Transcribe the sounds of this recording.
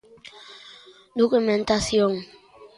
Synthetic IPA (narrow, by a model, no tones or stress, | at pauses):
d̪okumẽnt̪asjoŋ